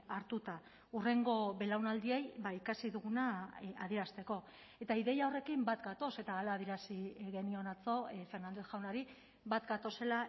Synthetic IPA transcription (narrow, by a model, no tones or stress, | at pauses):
aɾt̪ut̪a | ure̞ŋɡo̞βe̞lawnald̪iejbaikasiðuɣunaaðieɾast̪e̞ko̞ | e̞t̪aiðe̞jao̞re̞kimbat̪ɡat̪o̞se̞t̪aːlaːðieɾasiɣe̞nio̞nat͡so̞fe̞rnand̪esʝawnaɾi | bat̪ɡat̪o̞se̞la